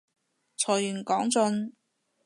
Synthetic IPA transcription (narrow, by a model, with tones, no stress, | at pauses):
t͡sʰɔː˨˩jjyː˨˩nkɔː˨˥ŋt͡sɵ˧n